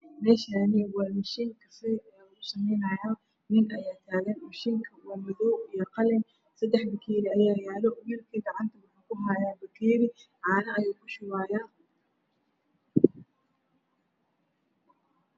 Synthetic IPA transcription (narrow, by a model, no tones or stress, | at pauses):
mɛːʃaːnɪwɑmɐʃiŋkʰɐsɪaʊsɐmɛjnɐjaː | nɪnʔɐjaːt̪ʰaːɣɛnmʊʃɪŋkʰɐwɐmɐðɔwijɔqɑlɛn | sɐd̪ɛħbɐkʰɛːɾɪɐjaːjaːlɔmɪrkʰiːɡɑʕɑnt̪ʰɐwɑħaːkʰʊɦajaːbɐkʰɛːɾɪʕɑːnɐːjaːkʰʊʃʊwaːjaː